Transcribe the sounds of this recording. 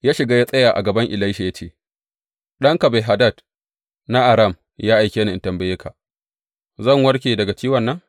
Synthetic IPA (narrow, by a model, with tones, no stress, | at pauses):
jaː˦ʃɪ˨ɡa˦ja˦sʼɐ˦jaː˨ʔa̰˨ɡɐ˨bɐ˦ŋʔɪ˨la˦ʃa˨ja˦t͡ʃeː˦˨ | ɗɐ˦ŋka˨ba˨ɦa˨dɐ˦˨d | na˦ʔa˨ɾɐ˦˨m | jaː˦ʔa˨jkʲeː˦na˨ʔɪ˨ntɐ˨mbɐ˦je˦kʰa˨ | zɐ˦˨ŋwɐ˦ɽkʲeː˨dɐ˨ɡa˨t͡ʃiː˦wɐ˨nːɐ˦ŋ